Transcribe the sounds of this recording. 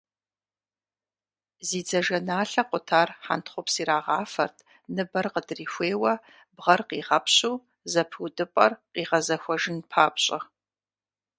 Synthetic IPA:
ziːd͡zɐʒɐnaːɬɐqʷʊtʰaːrħa̰ntʰχʷʊpsiːɾaːʁaːfɐrtʰʼ | nɨbɐrqədriːxʷeːwɐ | bʁɐrqiːʁɐpʰɕuː | zɐpʰudɨpʼɐ̰rqiːʁɐzɐxʷɐʒɪnpʰaːpɕʼɐ̰

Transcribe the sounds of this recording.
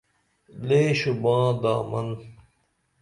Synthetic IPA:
leːɕubãːd̪a̰ːmɐ̰n

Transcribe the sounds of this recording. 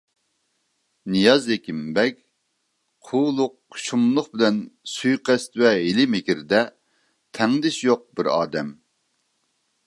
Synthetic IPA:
nijɑzekʲimbɛkʲ | qʰulˠʊqːʃumlˠʊχbɪlɛnsujqɛst̪wɛɦɪlɪmɪkʲiɾɪd̪ɛ | t̪ʰɛŋd̪ɪʃjoq̚bɪɾɑ̰ːd̪ɛm

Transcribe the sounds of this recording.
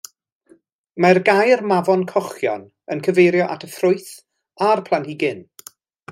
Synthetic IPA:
marɡajrmavɔnkʰɔχjɔ̰n | ənkʰəvejɾjɔʔatʰəfrʊɨθ | arpʰlˠanhiɡɪn

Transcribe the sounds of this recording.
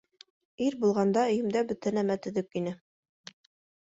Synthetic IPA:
iɾbulˠʁɑnd̪ɑɵ̆jɘ̆md̪æbɵt̪ænæmæt̪ɵ̆ðɵkinɘ

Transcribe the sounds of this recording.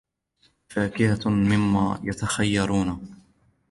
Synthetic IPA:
faːkɪhamɪmːa̰ːjat̪axajːɑɾˤuːna

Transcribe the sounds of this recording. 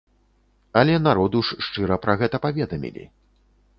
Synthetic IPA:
ɐlʲɛnaɾɔd̪uʂːt͡ʂɨɾɐpɾɐɣɛt̪ɐpavʲɛd̪ɐmʲḭlʲḭ

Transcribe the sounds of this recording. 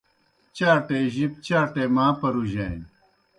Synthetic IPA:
t͡ɕaːʈeːʑip̚t͡ɕaːʈeːmaːpɐɾuʑḛːn

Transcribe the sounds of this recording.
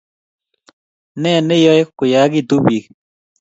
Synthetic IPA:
nenejoekkːujaːɡid̪ubiːk

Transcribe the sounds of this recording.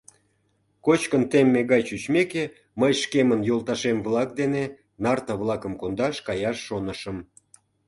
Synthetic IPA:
kot͡ɕkənt̪emːeɣɑjt͡ɕyt͡ɕmeke | məjʃkemənjolˠt̪ɑʃemvlɑk̚d̪ene | nɑrt̪ɑβlˠɑkəmkond̪ɑʃkɑjɑʃːonəʃəm

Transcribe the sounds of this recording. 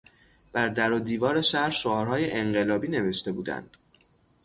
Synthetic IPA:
b̥æɾd̪æɾod̪iːvɒːɾe̞ʃæɾʃoɒːɾhɒːjeʔeɴɢe̞lɒːbiːne̞ve̞ʃt̪e̞buːd̪æ̰nd̪̥

